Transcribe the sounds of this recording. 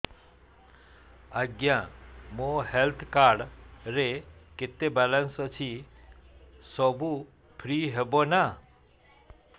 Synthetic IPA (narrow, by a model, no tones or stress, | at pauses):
əɡjãmõɦelt̪ʰkaɾɖɾekɪt̪ːebalənsɔt͡ʃʰi | sɔbʱu | pʰɾiːɦebona